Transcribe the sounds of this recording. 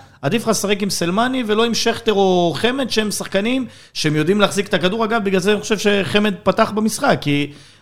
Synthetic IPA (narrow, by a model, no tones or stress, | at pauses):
ad̪ifχasaʁekimselmanivelo̞imʃeχt̪eʁo̞χe̞me̞d̪ʃehemsaχkanim | ʃeemjo̞dimleaχzike̥t̪akaduʁaɡavbiɡlalzeaniχoʃevʃe̞χe̞me̞d̪̚pat̪aχbemisχakːi